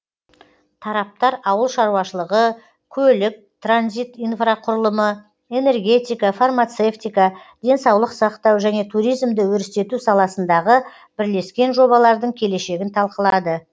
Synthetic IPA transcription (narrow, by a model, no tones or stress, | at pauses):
t̪ʰɑɾɑp̚t̪ɑɾɑwəlˠʃɑɾuwɑʃəlˠəʁə | kʲʰɵlɪk̚t̪ʰranzijt̪ijnfraqʰʊɾəlˠəmə | e̞ne̞rɡʲe̞t̪ijkafarmat̪se̞ft̪ijkad̪̥e̞nsɑwlˠəqsɑqt̪ɑwʒæne̞t̪ʰuɾijzmd̪ɪwɵɾɪst̪e̞t̪usɑlˠɑsənd̪ɑʁə | b̥ɪɾle̞skʲe̞nʒo̞βɑlˠɑɾd̪əɴkʲʰe̞le̞ʃe̞ɡʲɪnt̪ʰɑlˠqəlˠɑd̪ə